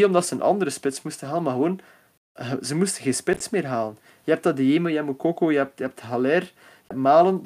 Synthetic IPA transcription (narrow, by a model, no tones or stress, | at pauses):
ɔmdɑtsəənʔɑ̰nd̪əɾəspɪtsmustənɦaːlˠənmarɣəʋoːn | əzəmustəɣeːnspɪtsmeːrɦaːlən | jəɦɛp̚tɑdieməjəɦɛmukokoːjəɦɛp̚tjəɦɛp̚tɦalɛr | jəɛpmaːlən